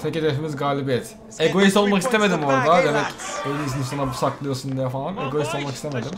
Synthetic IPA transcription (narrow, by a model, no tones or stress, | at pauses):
t̪ʰecid̪efimizɡaːlʲibijɛt̪ | eɡo̞jist̪o̞lˠmakist̪ʰe̞me̞d̪imo̞ɾd̪ad̪emɛkejlʲisinisanabusaklˠɯjo̞sund̪ijafalˠaneɡo̞jist̪o̞lˠmakist̪eme̞d̪im